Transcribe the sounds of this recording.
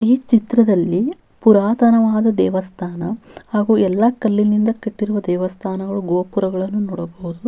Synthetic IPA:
iːt͡ʃit̪ɾɐd̪ɐlːi | puɾaːt̪ɐnɐʋaːd̪ɐd̪ɛːʋɐst̪ʰaːnɐhaːɡuːɛlːɐkɐlːinind̪ɐkeʈːiɾuʋɐd̪ɛːʋɐst̪ʰaːnɐɡɐɭuɡoːpuɾɐɡɐɭɐnːunɔɽɐboɦud̪u

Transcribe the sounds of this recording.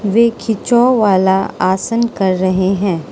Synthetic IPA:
ʋeːkʰɪt͡ʃɔʋaːlaaːsənkɐɾːɐɦeɦɛ̃ː

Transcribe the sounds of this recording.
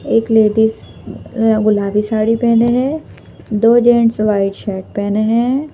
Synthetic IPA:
eːkleːɖis | ɡʊlaːbisaːɽipɛ̃ːneɦɛ̃ː | d̪oːd͡ʒẽːɳʈsʋaːɪɖʃɛːʈ̚pɛːneɦɛ̃ː

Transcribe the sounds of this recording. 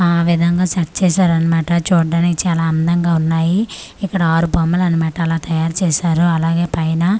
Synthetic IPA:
aːʋid̪ʱɐŋɡaːt͡ʃɐʈ̚t͡ʃɛːsaːɾɐnimaːʈɐt͡ʃuːɖːaːnikit͡ʃaːlaːɐnd̪ɐŋɡaːunːaːjiikːɐɽɐaːɾubɐmːɐlɐnimaːʈɐlaːt̪ɐjaːɾt͡ʃɛːʃaːɾuɐlaːɡe̞ːpɐjnɐ

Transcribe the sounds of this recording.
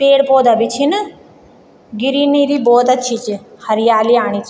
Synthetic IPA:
peːɽpoːd̪aːbit͡ʃʰin | ɡɪɾiːniːɾiːbɔːt̪ɐtːʃʰiːt͡ʃhɐɾɪjaːliaːɳ̃it͡ʃ

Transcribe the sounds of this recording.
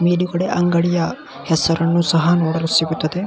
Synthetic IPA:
meːɖuɡɐɽeʔɐŋɡɐɽijɐ | hɛsɐɾɐnːusɐɦɐnoːɽɐlusiɡut̪ːɐd̪e

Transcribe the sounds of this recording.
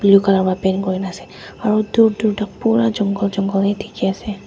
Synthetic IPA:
blukalaɹbapɛnkoɹinasɛ | aɹuduɹduɹtak̚puɹad͡ʒɔŋɡɔld͡ʒɔŋɡɔlɛtʰi̥kiasɛ

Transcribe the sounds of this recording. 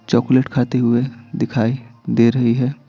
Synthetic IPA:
t͡ʃɔːkʊleʈkʰaːt̪eɦʊed̪ɪkʰaːid̪eːɾɐɦiɦɛː

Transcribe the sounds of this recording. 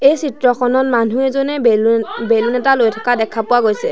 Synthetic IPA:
ejsitɹɔxʰɔnɔt̚man̤ʱuɛzonɛbelunɛtalojtʰḁkadɛkʰapʊwaɡojsɛ

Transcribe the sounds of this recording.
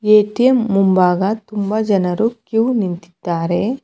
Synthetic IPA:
eːʈijemːumbaːɡɐt̪umbɐd͡ʒɐnɐɾukjuwnint̪i̥d̪̥aːɾe

